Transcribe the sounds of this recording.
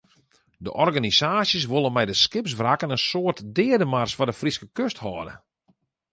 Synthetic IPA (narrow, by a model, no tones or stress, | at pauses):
də̰ʔɔrɡanisaːsjəs̬ʋolˠənmɛjdəskɪps̬ʋrakənənsoːərtdɪədəmarsfɔdəfriskəkøsthɔːdə̰